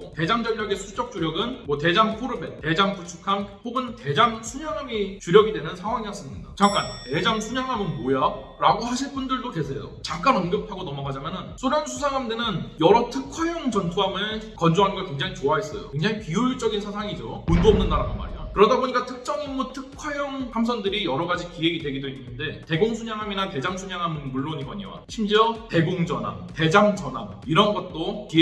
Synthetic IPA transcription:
ote̞d͡ʑaŋd͡ʑʌɭjʌɡesʰut͡ɕ͈ʌk̚t͡ɕ͈uɾjʌɡɯnmwʌte̞d͡ʑaŋpʰoɾɯbett͈e̞d͡ʑaŋput͡ɕʰukʰampoɡɯnte̞d͡ʑamsʰuɲʌŋʌɡit͡ɕuɾjʌɡidwe̞nɯnsʰaŋwaŋiʌs͈ɯmɲidat͡ɕak͈ante̞d͡ʑaŋsʰuɲʌŋɦamɯnmoja | ɾaɡohaɕʰiɭp͈undɯɭdoke̞sʰe̞jo̰t͡ɕak͈anʌnɡjʌpʰaɡonʌmʌɡad͡ʑamjʌnɯnsʰoɾjʌnsʰusʰaŋɦamde̞nɯnjʌɾʌtʰɯkʰʌjʌŋt͡ɕʌntʰuɦamɯɭkʌnd͡ʑoɦanɡʌɭkwe̞ŋd͡ʑaŋit͡ɕoaɦes͈ʌ̰jo̰weŋd͡ʑaŋipiuɭt͡ɕ͈ʌɡinsʰasʰaŋid͡ʑomundoʌmnɯnːaɾaɡanma̰ɾḛjo̰kɯɾʌdaboɲik͈atʰɯk̚t͡ɕ͈ʌŋimːutʰɯk̚kkʰwajʌŋamsʰʌndɯɾijʌɾʌɡad͡ʑikiɦe̞ɡidwe̞ɡidoinːɯnde̞te̞ɡoŋsʰuɲaŋɦaminate̞d͡ʑamsʰuɲaŋɦamɯnmuɭːoɲibʌɲiwa̰ɕʰimd͡ʑiʌte̞ɡoŋd͡ʑʌnɦa̰mte̞d͡ʑamd͡ʑʌnamiɾʌnɡʌt̚t͈okie

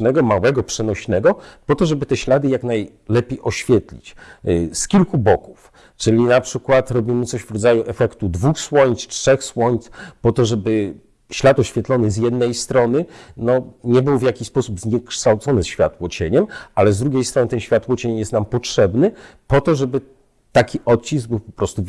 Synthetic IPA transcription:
nɛɡɔmawɛɡɔpʂɛnɔɕnɛɡɔpɔt̪ɔʐɛbɘt̪ɛɕlad̪ɘjaknaj | lɛpʲejʔɔɕfʲjɛt̪lʲḭt͡ɕskʲilkubɔku̥f | t͡ʂɘlʲinapʂɘkwat̪ɾɔbʲimɘt̪sɔɕvɾɔd̪zajuʔɛfɛkt̪ud̪vuxswɔɲst͡ʂʂɛxswɔɲt̪spɔt̪ɔʐɛbɘ | ɕlat̪ɔɕfʲjɛt̪lɔnɘzjɛd̪nɛjst̪ɾɔnɘnɔɲɛbɘwvjakʲiɕspɔsubzɲɛkʂt̪awt̪sɔnɘsɕfʲja̰t̪wɔt͡ɕeɲɛmalɛzd̪ɾuɡʲejst̪ɾɔnɘt̪ɛnɕfʲat̪wɔt͡ɕeɲjɛst̪nampɔtʂɛbnɘpɔt̪ɔʐɛbɘ | t̪akʲiʔɔt̪̚t͡ɕizɡ̚bɘwpɔ̥pɾɔst̪u

